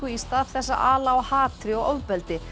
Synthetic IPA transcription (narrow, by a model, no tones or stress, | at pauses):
ʏist̪aːðθɛsːa̰ʔaːlaɔhaːt̪ʰɾɪɔɣowvpɛlt̪ɪ